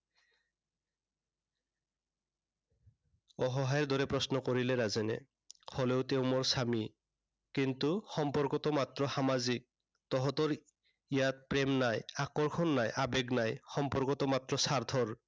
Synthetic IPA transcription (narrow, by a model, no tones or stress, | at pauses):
ɔɦɔɦajɛɹd̪ɔɹɛpɹɔsnɔkoɹilɛɹazɛnɛ̰ | hɔleʊteʊmɔɹsami | kintuxɔmpɔɹkɔtɔmatɹɔxamazik̚ | tɔɦɔtɔɹ | ijat̚pɹɛmnajakɔɹkʰɔnːajʔabɛɡnajxɔmpɔɹkɔtɔmatɹɔsaɹt̪ʰɔɹ